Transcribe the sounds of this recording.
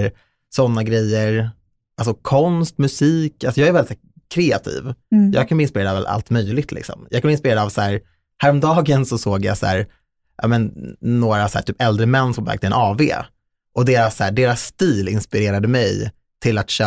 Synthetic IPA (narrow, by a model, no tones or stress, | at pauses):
sɔnːaɡɾɛjːəɾ | ʔals̬ɔkʰɔnst̪mɵsiːkalsɔjɑːɡæɾvɛlɪt̪sæː | kʰɾeːa̰t̪ʰḭːvjɑ̰ːɡkʰanb̪ɪnspɪɾeːɾdavɛ̰la̰lt̪mœjlɪɡ̚t̪ʰlɪ̰ksɔ̰mjɑːkʰanbɪnpɪɾeːɾd̪aavsæːɾ | hæːɾɔmd̪ɑːɡənsɔsoːɡja̰sæ̰ːɾ | jʔɑ̰ːmɛnːoːɾasæ̰ːʈʰyːpɛld̪ɾəmɛnːsɔmæ̰ɾk̚t̪əɛnʔɑːvḛː | ʔɔd̪eːɾasːæ̰ːɖeːɾasːt̪iːlɪnspɪɾeːɾad̪əmɛj | t̪ʰɪlat̪ɕœ